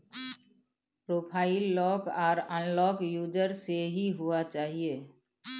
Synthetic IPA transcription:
pɾoːpʰaːɪlːɔːkɔːɾɔ̃ːnlɔːkjuːd͡ʒəɾseɦiɦuat͡ʃaːɦieː

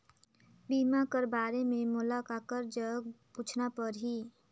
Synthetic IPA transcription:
biːmakəɾbaːɾemẽmʊlakaːkəɾd͡ʒəɡpuːt͡ʃʰnapəɾɦiː

